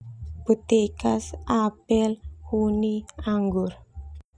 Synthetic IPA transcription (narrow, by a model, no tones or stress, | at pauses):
b̥ṳt̪ekasapɛlhuniaŋɡʊr